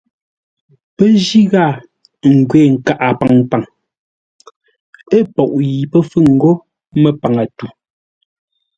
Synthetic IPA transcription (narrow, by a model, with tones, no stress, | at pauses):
pɛ˦d͡ʒi˦ɣa˦˨ | ŋ̩˨ɡwɛː˨ŋ̩˨ka˨ʔa˨pa˨ŋpa˨ŋ | e˦˨pɔ˨ʔji˨pɛ˦fʉ˦˨ŋ̩˨ɡo˦ | mɛ˦pa˨ŋa˨tu˨